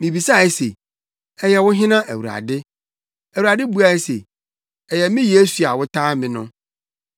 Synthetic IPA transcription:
mĩ˨bi˨sa˦˨ɛ˦sḛ˨ | ɛ˨jɛ˨wʊ̃˦ɦɪ̃˦nã˦ʔæ˨wu˨ɾa̰˨dɪ˦ | æ˨wu˨ɾa˨dɪ˦bu˦a˨˦ɛ˦sḛ˨ | ɛ˨jɛ˨mɪ̃˦je˦su˨a˨wʊ˦tʰaː˦mɪ̃˨nʊ̃˦

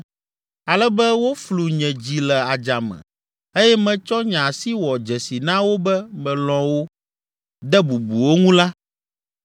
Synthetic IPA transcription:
a˨lɛ˦bɛ˦wo˦flu˨ɲɛ̃˨d͡ʑi˨lɛ˨a˨d͡ʒa˨mɛ̰̃˨ | e˦jɛ˦mɛ̃˨t͡ʃɔ˦ɲã˨si˦wɔ˨d͡ʒɛ˨si˨nã˦wo˦bɛ˦mɛ̃˨lɔ̃˨wo˦ | d̪ɛ˦bu˨bu˨wo˦ŋũ˦la˦

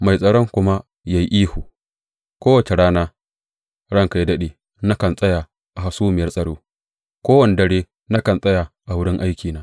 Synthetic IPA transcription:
ma˨jsʼɐ˨ɽɔ˦ŋkʷʊ˦ma˦ | ja˨ji˦ʔiː˦huː˨ | kʷoː˦wɐ˨t͡ʃe˨ɽaː˦naː˦ | ɽɐ˦ŋka˨jdɐ˦ɗeː˨ | na˦kɐ˨nsʼɐ˦ja˨ | ʔa˨ha˨suː˦mɪ˨jɐ˦rsʼɐ˨ɽoː˦ | kʷoː˦wɐ˨ne˨dɐ˦ɽeː˦ | na˦kɐ˨nsʼɐ˦ja˨ʔa˨wʊ˦ɽɪ˦ŋʔa˦jkʲiː˨naː˦

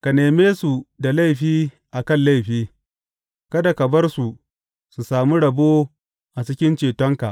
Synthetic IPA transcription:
ka˨neː˨meː˦su˨da˨la˦˨jɸiː˦ | ʔa˨kɐ˦˨nla˦˨jɸiː˦ | kɐ˦da˨kɐ˨bɐ˦rsu˨ʔ | su˨saː˨mu˦ɽɐ˨boː˦ | ʔa˨t͡ʃɪ˦kʲɪ˦nt͡ʃeː˨tɔ˦ŋka̰˨ʔ

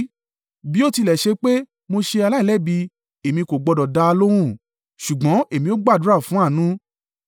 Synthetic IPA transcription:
bi˦o˦ti˧lɛ˨ʃe˧k͡pe˦ | mo˧ʃe˧a˧la˦i˦˨lɛ˦˨bi˧ | e˨mĩ˧ko˨ɡ͡bɔ˧dɔ˨da˧a˧lo˦ɾ̃ũ˦˨ | ʃu˨ɡ͡bɔ̃˨˦e˨mĩ˧o˦ɡ͡ba˦˨du˨˦ɾa˦˨fũ˨˦a˦˨nũ˦

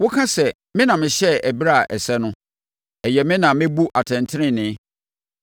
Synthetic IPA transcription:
wʊ˦kʰã˦sɛ˨ | mɪ̃˦nã˨mɪ̃˨ɕɛ˦æ˨bi˦ɾa˦˨ʔɛ̰˨sɛ˦nʊ̃˦ | ɛ˨jɛ˨mɪ̃˦nã˨mɪ̃˦bu˦ʔa˨tʰɛ̃˨ntʰɪ˦ɾɪ̃˦˨nɪ̃˨˦

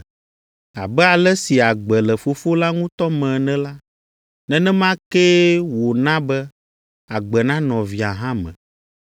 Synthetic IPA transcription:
a˨bɛ˦a˨lɛ˦si˨a˨ɡ͡bɛ˨lɛ˨fo˨fo˦la˦ŋũ˦t̪ɔ˦mɛ̃˨nɛ̃˦la˦ | nɛ̃˦nɛ̃˦mã˦kɛ˦wo˨nã˦bɛ˦ | a˨ɡ͡bɛ˨nã˦nɔ̃˨vi˨a˨ɦã˦mɛ̰̃˨

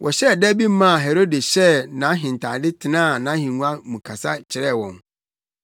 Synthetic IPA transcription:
wʔɔ˨ɕɛ˦˨dɛ˦bi˦m˦mã˦a˨ɦɛ˨ɾo˦de˨ɕɛ˦nã˨˦ɦɪ̃˨n˨tʰa˨dɪ˦tʰɪ˨nãː˦˨nã˨˦hĩ˨nũ˦a˦mũ˨kʰa˨sa˦t͡ɕʰɪ˨ɾɛ˦˨wɔ̃˨n

